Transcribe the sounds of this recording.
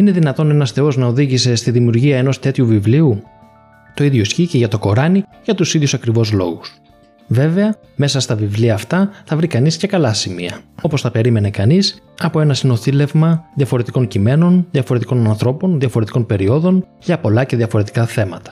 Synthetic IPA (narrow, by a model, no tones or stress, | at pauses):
ine̞ðinɐt̪o̞ne̞nɐsθe̞o̞znɐo̞ðiʝise̞st̪iðimiuɾʝiɐe̞no̞st̪e̞t̪çuvivliu | t̪o̞iðʝo̞isçice̞ʝɐt̪o̞ko̞ɾɐniʝɐt̪usiðjusɐkɾivo̞zlo̞̰ɣus | ve̞ve̞ɐ | me̞sɐst̪ɐvivliɐːft̪ɐθɐvɾikɐnisce̞kɐlɐsimḭɐ̰o̞po̞sθɐpe̞ɾime̞ne̞kɐnis | ɐpo̞e̞nɐsino̞θile̞vmɐðjɐfo̞ɾe̞t̪iko̞ɲcime̞no̞nðjɐfoɾet̪i̥ko̞nɐnθɾo̞po̞nðjɐfo̞ɾet̪iko̞npe̞ɾio̞ðo̞n | ʝɐpo̞lɐce̞ðjɐfo̞ɾe̞t̪i̥kɐθe̞mɐt̪ɐ̥